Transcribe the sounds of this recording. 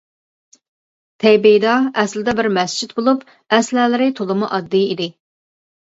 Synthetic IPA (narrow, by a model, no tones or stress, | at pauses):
t̪ʰɛjbejd̪ɑɛslɪd̪ɛbɪɾmɛst͡ʃʰit̪bolˠup | ɛslɛlɪɾɪt̪ʰolˠɨmuʔɑd̪ːiid̪ɪ